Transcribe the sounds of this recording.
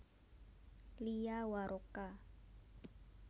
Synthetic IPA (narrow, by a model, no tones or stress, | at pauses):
lijawaɾʔoka